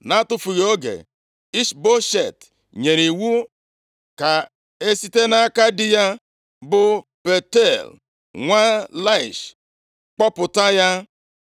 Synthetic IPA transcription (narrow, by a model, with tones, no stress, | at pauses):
na˦tʊ˦fu˨ɣo˦ɡḛ˨ | i˦ʃbo˦ʃe˨t | ɲe˨ɾi˨wu˦ | ka˨ | e˦si˦te˦na˦ka˦dɪ˦ja˦ | bʊ˦pe˨te˦˨l | ŋʷa˦la˦ɪ˨ʃ | k͡pɔ˦pʊ˨ta˦ja˦